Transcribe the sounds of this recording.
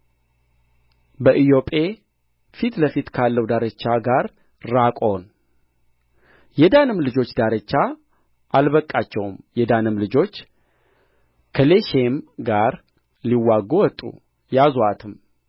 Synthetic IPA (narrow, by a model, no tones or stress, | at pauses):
bəʔijo̞pʼe̞ | fit̪ləfit̪kʰalːəwd̪aɾət͡ʃːaɡaɾ | ɾakʼo̞n | jɛd̪anɨmlɨd͡ʒo̞t͡ʃːd̪aɾət͡ʃːa | ʔalβəkʼːat͡ʃːɛwmjɛd̪anɨmlɨd͡ʒo̞t͡ʃː | kʰəle̞ʃemɡaɾ | liwːaɡowɔt̪ʼːṵ | jazoat̪ʰɨm